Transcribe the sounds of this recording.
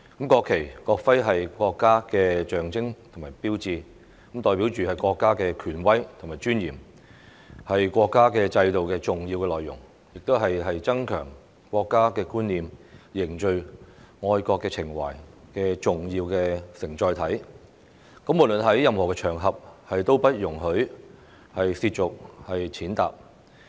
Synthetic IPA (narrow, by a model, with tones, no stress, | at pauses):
kɐ˨˥mkɔː˧kʰːe˨˩jkɔː˧k̚fɐ˥jɦɐ˨jkɔː˧kːaː˥kɛː˧t͡ʃœː˨ŋt͡sɪ˥ŋt̪ʰŋmaː˨˩jpiː˥wt͡siː˧ | kɐ˨˥mt̪ɔː˨˧jpi˨˥wt͡ʃyː˨hɐ˨jkʷɔː˧kːaː˥kɛː˧kʰyː˨˩nwɐ˥jt̪ʰʊ˨ŋmaː˨˩t͡ʃyː˥njiː˨˩m | hɐ˨jkʷɔː˧kːaː˥kɛː˧t͡sɐ˧jt̪o˨wkɛː˧t͡sʊ˨ŋjiː˧wkɛ˧lɔː˨˩jːʊ̰˨˩ŋ | jɪ˨k̚t̪o˥wɦɐ˨jɦɐ˨jt͡sɐ˥ŋkʰœ̰ː˨˩ŋ | kʷɔː˧kːaː˥kɛː˧kuː˥nːiː˨mjɪ˨˩ŋt͡ʃɵ˨˧ɥŋɔː˧jkɔː˧kːɛː˧t͡sʰɪ˨˩ŋwa̰ː˨˩jkɛː˧t͡sʊ˨ŋjiː˧wkɛː˧sɪ˨˩ŋt͡ʃɔː˧jt̪ʰɐ˨˥j | kɐ˨˥mu˨˩t̚lɵ˨nɦɐ˨˥jjɐ˨mhɔː˨˩kɛː˧t͡ʃʰœː˨˩ŋɦɐ˨p̚hɐ˨jt̪o˥wpɐ˥t̚jʊ˨˩ŋɦɵ˨˥ | hɐ˨jsiː˧t̚t͡sʊ˨k̚hɐ˨jt͡sʰiː˨˥nt̪a̰ː˨p̚